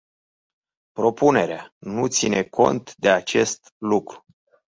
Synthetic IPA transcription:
pɾo̞pune̞ɾeanut̪sinʔekʰo̞̰nt̪d̪e̞at͡ʃe̞st̪ | lukɾu̥

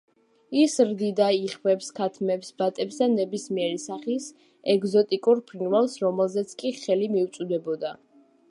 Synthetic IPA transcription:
isɾd̪id̪aiχvɛpskʰat̪ʰmɛpsbat̪ʼɛpsd̪anɛbismiɛɾisaχis | ɛɡzɔt̪ʼikʼuɾpʰɾinvɛlˠsɾɔmɛlˠzɛt̪sʰkʼiχɛlimiut̪sʼud̪ɛbɔd̪a

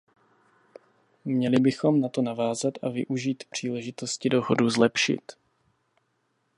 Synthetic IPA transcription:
mɲɛlɪbɪxo̞mnat̪o̞navaːzat̪ʔavɪ̰ʔuʒiːt̪pr̝̥iːlɛʒɪt̪o̞scɪdo̞ɦoduzlɛpʃɪ̰t̪

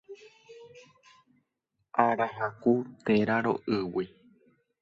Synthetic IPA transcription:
aɾaɦakut̪eɾaɾo̰ʔɨwi

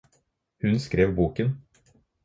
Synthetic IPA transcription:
hʉnskɾeːʋbuːkən

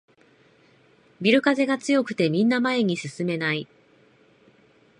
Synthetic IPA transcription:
bʲiɾɯ̟kaze̞ɡat͡sɨjo̞kɯ̟̥t̪e̞mʲĩnːamae̞ɲ̟isɨsɨme̞nai

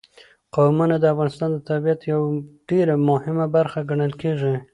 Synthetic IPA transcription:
qawmunad̪əafɣɑnɪst̪ɑnd̪ət̪abijat̪jawɖeɾamʊhɪmabaɾxaɡaɳəlkeʐi

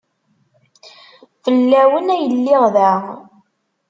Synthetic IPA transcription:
fəlːæwənæjəlːɪʁðæ

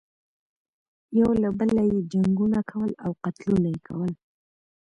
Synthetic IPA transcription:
jawlabəlajed͡ʒaŋɡunakʰawəlawqat̪lunajekʰa̰wəl

